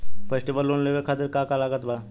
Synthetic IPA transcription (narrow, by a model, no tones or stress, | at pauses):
fesʈibəlːonleʋekʰat̪iɾkakalaɡət̪bʱa